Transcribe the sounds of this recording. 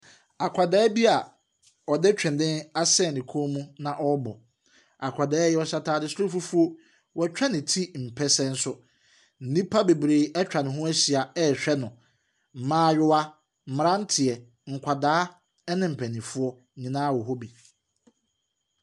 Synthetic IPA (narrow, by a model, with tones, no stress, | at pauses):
a˨kʷʰa˨daː˦bi˦a˨ | ɔ˨dɛ˦t͡ɕᶣɪ̃˨ndɪ̃˦na˦sɛ˦˨nɪ̃˨kʰõ˦mũ˦nã˨ʔɔ˦bɔ˨ | a˨kʷʰa˨daː˨˦jɛ˦ɔ˦ɕa˦tʰaː˦dɪ˦sʊ˦ɾo˦fu˦fu˦o˦ | wɔ˨t͡ɕᶣɛ˦nɪ̃˨tʰi˦m̩˨pʰɛ˦sɛ˦n̩˦sʊ˦ | n̩˨nĩ˦pʰa˦be˨bɾeː˨ɛ˦t͡ɕᶣa˨nɪ̃˨ɦʊ̃˦æ˦ɕi˨a˨ɛ˦˨ɕᶣɛ˦nʊ̃˨ | m̩˨mãː˨˦ɥɪ˦wa˦ | m̩˨m˨ɾã˦n̩˦tʰɪ˨ɛ˨ | ŋ̩˨kʷʰa˨daː˦ | ɛ˦nɪ̃˦m̩˨pʰɛ˨nĩ˨fʊ˦ɔ˦ɲĩ˨nã˦˨wɔ˨ɦo˦bi˨